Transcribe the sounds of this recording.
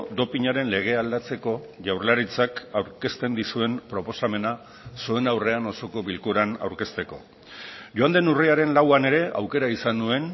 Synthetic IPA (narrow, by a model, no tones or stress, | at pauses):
d̪o̞piɲaɾe̞nle̞ɣ̞e̞ald̪at͡se̞ko̞ʝawɾlaɾit͡sakawɾke̞st̪e̞nd̪isue̞mpɾo̞po̞same̞na | sue̞nawre̞ano̞so̞ko̞βilkuɾana̰wɾke̞st̪e̞ko̞̰ | ʝoand̪e̞nuriaɾe̞nlawane̞ɾe̞a̰wke̞ɾaisandue̞n